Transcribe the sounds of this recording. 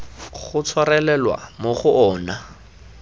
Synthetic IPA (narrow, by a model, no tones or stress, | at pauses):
χʊt͡sʰwarɛlɛlwa̰moχʊʔɔːna